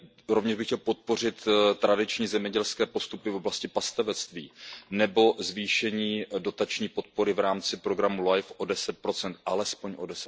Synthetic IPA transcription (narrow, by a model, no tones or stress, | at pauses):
ɾo̞vɲɛʒbɪxcɛlpo̞t̪̚po̞r̝ɪt̪t̪ɾadɪt͡ʃɲiːzɛmɲɛɟɛlskɛːpo̞st̪upɪfoblascɪpast̪avɛt͡st̪vḭːnɛbo̞zviːʃɛɲiːdo̞t̪at͡ʃɲiːpo̞t̪̚po̞ɾɪvɾaːmt͡sɪpɾo̞ɡɾamulajfʔo̞dɛsɛt̪̚pɾo̞t͡sɛnt̪ʔalɛspo̞ɲʔo̞̰dɛsɛ̥t̪